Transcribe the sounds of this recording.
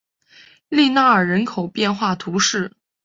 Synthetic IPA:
li˥˧na˥˩ə˞˨˩ɻə˧˥nkʰo˨˩ʊpjɛ˥˧nxwa˥˩t̪ʰu˧˥ʂɻ̩˥˩

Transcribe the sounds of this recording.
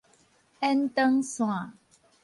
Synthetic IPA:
ɛ˦ntə˦ŋsũ˦a˨

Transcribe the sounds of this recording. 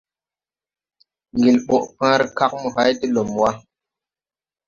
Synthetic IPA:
ŋɡi˨lɓo˨ʔpã˦ɾka˦k̚mu˨ha˦jti˦lo˨mwa˦

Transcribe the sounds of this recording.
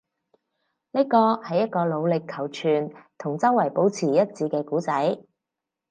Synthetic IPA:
ne˥kɔː˧hɐ˨jɐ˥t̚kɔː˧lo˨˧wlɪ˨kʰːɐ˨˩wt͡ʃʰyː˨˩nt̪ʰʊ˨˩ŋt͡sɐ˥wːɐ˨˩jpo˨˥wt͡sʰiː˨˩jɐ˥t̚t͡siː˨˧kɛː˧kuː˨˥t͡sɐ˨˥j

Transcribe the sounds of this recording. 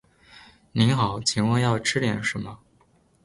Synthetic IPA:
ni˧˥nxɑ˨˩˦ʊt͡ɕʰi˧˥ŋwɑ˥˧ŋjɑ˥˩ʊʈ͡ʂʰɻ̩˥ljɛ˨˩˥nʂɻ̩˧˥mə˧

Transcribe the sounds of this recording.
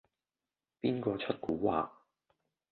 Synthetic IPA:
piː˥nkɔː˧t͡ʃʰɵ˥t̚kuː˨˥waː˨˧

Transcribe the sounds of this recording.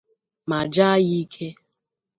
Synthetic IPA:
ma˨d͡ʒa˦ji˦kʰe˦

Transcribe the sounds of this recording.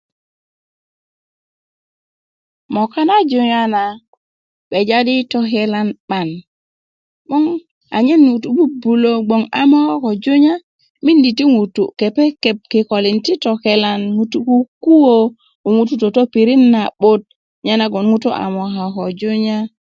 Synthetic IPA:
mo˨ka˦na˦d͡ʒu˨ɲa˦na˨ | ɓe˨d͡ʒa˦di˦to˨ke˦la˦nɓa˨n | ɓo˦ŋ | a̰˨ɲe˦nŋu˨tu˨bu˦bu˨lo˦ɡ͡bo˨ŋa˦mo˦ha˦ko˨d͡ʒu˦ɲa˦ | mi˦ndi˨ti˦ŋu˨tu˨ke˨pe˦ke˨p̚ki˨ko˨li˨nti˦to˨ke˦la˦nŋu˨tu˦ku˦ku˦wo˦ | u˨ŋu˦t̬u˦to˨to˦pi˨ɾi˦nːa˨ɓo˦t̚ | ɲa˦na˦ɡo˨nŋu˦to˦ʔa̰˨mo˨ka˨ko˨d͡ʒu˦ɲa˦

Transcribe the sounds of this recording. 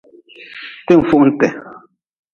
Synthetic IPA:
te˦ɱ̩˨fu˦˨ʔn̩˦tɛ˨

